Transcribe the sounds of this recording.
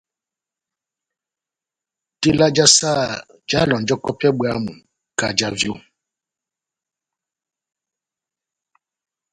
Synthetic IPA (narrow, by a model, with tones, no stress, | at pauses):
te˦la˦d͡ʒa˦sa˦˨ | d͡ʒa˦lɔ˨n˨d͡ʒɔ˦kɔ˦pɛ˦ɓɛ˦a˦mṵ˨ | ka˨d͡ʒa˦vjo˦